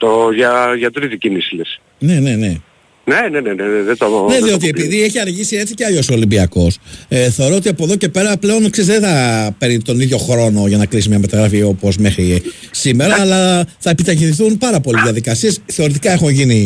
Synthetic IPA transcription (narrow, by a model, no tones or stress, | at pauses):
t̪oʝɐʝɐt̪ɾit̪icinisiles | ne̞ne̞ne̞ | neneneneðet̪oðoneðio̞t̪iepiðie̞çiɐɾʝisie̞t͡siceɐʎo̞solimbiɐko̞sθeo̞ɾo̞ot̪iɐpoðo̞ce̞pe̞ɾɐple̞o̞nksezðenθɐpe̞ɾnit̪o̞niðʝo̞xɾo̞no̞ʝɐnɐklis̬imɲɐmet̪ɐɣɾɐfio̞po̞zme̞xɾi | sime̞ɾɐːlɐθɐepit̪ɐʝinθunpɐɾɐpo̞liðiɐðikɐsie̞sθe̞o̞ɾit̪ikɐe̞xunʝini